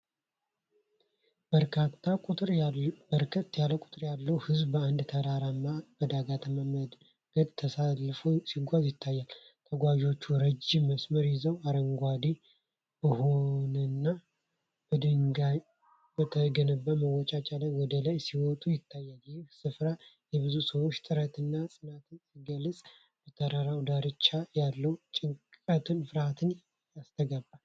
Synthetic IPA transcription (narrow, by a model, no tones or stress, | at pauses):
bəɾkʰat̪ʰːakʼut̪ʼɾbəɾkʰət̪ːjaləkʼʊt̪ʼɨɾjalːəwhɨzbbəand̪t̪ʰəɾaɾamːab̥əd̪aɡat̪ʰəməməd̪ | ɡ̥əd̪t̪ʰəsalːfosiɡʷazjɪt̪ʰːajːal | t̪ʰəɡʷaʒo̞t͡ʃːuɾəd͡ʒimːəsməɾjɪzəwaɾəŋɡʷad̪i | bəhonɨnːa | b̥əd̪ɨŋɡaj | bət̪ʰəɡənəbːəməwːɔt͡ʃʼat͡ʃʼalajwɔd̪əlajsiwɔt̪ʼujɪt̪ʰːajːaljɪhhsɨfɾa | jɛβɨzusəwot͡ʃːt̪ʼɨɾət̪ʰɨnːasʼɨnat̪ʰɨniɡəlːət͡sʼ | b̥ət̪ʰəɾaɾawd̪aɾɨt͡ʃːajalːəwt͡ʃʼɪŋkʼət̪ʰɨnfɨɾhat̪ʰɨn | jast̪ʰəɡabːal